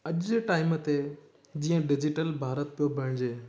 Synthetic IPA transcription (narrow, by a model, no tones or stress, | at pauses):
ɐʄʈaːɪmət̪e | d͡ʑiːə̃ɖɪd͡ʑɪʈəlbʱaːɾət̪̚pijobʱɐɽ̃d͡ʑeː